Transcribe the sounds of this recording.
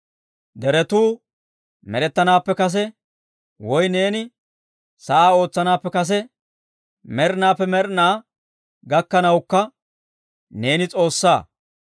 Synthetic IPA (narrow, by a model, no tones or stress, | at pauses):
d̪ɛɾɛt̪uː | mɛɾɛt̪ːɐnaːpːɛkɐs̬ɛ | wɔjne̞ːnɪ | sɐʔaːo̞ːt͡sːɐnaːpːɛkɐs̬ɛ | mɛɾnaːpːɛmɛɾnaː | ɡɐkːɐnɐwkːɐ | ne̞ːnɪt͡sʼo̞ːsːaː